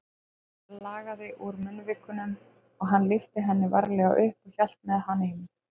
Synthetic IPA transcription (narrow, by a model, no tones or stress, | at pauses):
laːɣaðɪʔuɾmʏnːvɪkːʏnʏm | ɔɣɦanlɪft̪ɪɦɛnːɪva̰ɾlɛɣa̰wʔʏhpɔçjal̥t̪mɛðhanːɪɪn